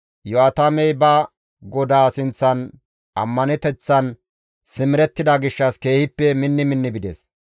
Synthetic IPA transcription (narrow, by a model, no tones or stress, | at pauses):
jɔaːt̪ɐmɛjbɐ | ɡɔd̪aːsɪnt͡sːɐn | ʔɐ̰mːɐnɛt̪ɛt͡sːɐn | sɪmɪɾɛt̪ːɪd̪ɐɡɪʃːɐske̞ːhɪpːɛmɪnːɪmɪnːɪbɪd̪es